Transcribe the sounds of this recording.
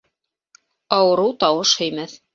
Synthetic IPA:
ɑwɤ̆ɾɤwt̪ɑwɤʃhɵ̆jmæθ

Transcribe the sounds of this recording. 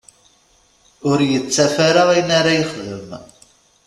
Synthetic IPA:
ʊɾjət͡sːæfaɾaʁæjnaɾajəχðəm

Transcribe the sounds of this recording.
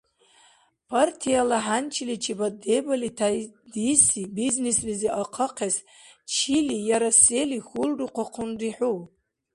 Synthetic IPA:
pʰartʰijalaħant͡ʃʰilit͡ʃʰibadebalitʰajdisibiznesliziʔaqʰəqʰas | t͡ʃʰilijaɾaselixulruqʷʰaqʰʊnriħu

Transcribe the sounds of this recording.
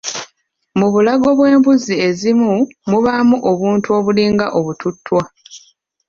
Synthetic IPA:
muβulaɡo̞βwe̞ːmbuzie̞zimumuβamuʔo̞βuːntuo̞βuliːŋɡaʔo̞βututːwa

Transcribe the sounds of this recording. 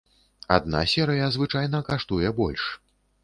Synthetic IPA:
a̰d̪̚na̰sʲɛɾɨjɐzvɨt͡ʂajnɐkaʂt̪ujɛbɔlʲʂ

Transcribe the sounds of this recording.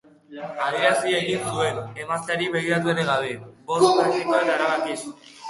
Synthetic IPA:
aðiɾasieɣinsue̞nemast̪eaɾiβe̞ɣ̞iɾat̪̬ueɾeɣaβ̞e̞bo̞st̪pɾakt̪ikoanaɾaβakis

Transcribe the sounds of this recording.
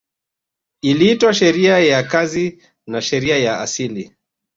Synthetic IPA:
iliitwaʃɛɾiajakazi | naʃɛɾiajaasili

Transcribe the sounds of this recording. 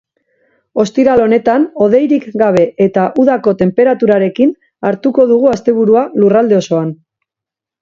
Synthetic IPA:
o̞st̪iɾalo̞ne̞t̪ano̞ð̞e̞jɾikɡaβ̞e̞ʔet̪aʔuðako̞t̪e̞mpe̞ɾat̪uɾaɾe̞kin | aɾt̪uko̞ðuɣ̞uast̪e̞β̞uɾualurald̪e̞o̞so̞an

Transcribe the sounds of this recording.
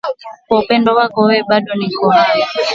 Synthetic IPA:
kɔpɛndɔwaɡɔwɛɓaɗɔnikɔa

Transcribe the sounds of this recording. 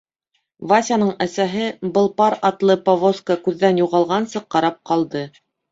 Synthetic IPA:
vasʲanɤɴæsæɦɘbɤ̆lˠpɑɾɑt̪lˠɤpovoskəkʉðːænjuʁɑlˠʁɑnsɤqːɑɾɑp̚qɑlˠd̪ɤ

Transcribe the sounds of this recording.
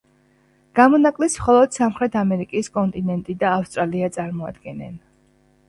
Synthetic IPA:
ɡ̥amɔnakʼlismχɔlˠɔd̪̥samχɾɛt̪ʰamɛɾikʼiskʼɔnt̪ʼinɛnt̪ʼid̪aːfst̪ʼɾaliat̪sʼaɾmɔa̰d̪ɡɛnɛ̰n

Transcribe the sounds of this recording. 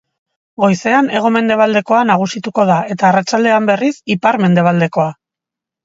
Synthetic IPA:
ɡo̞jse̞ane̞ɣ̞o̞me̞nd̪e̞β̞ald̪e̞ko̞anaɣ̞usit̪uko̞ð̞ae̞t̪aːrat͡ʃald̪e̞ambe̞risipaɾme̞nd̪e̞β̞ald̪e̞ko̞a

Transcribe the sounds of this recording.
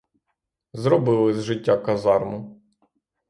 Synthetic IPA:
zɾɔbɪlˠɪzʒɪtʲːakɐzɑrmʊ

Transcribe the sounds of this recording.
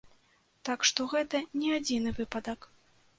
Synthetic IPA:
t̪akʂt̪ɔɣɛt̪ɐnʲɛad͡zʲinɨvɨpɐd̪ɐk

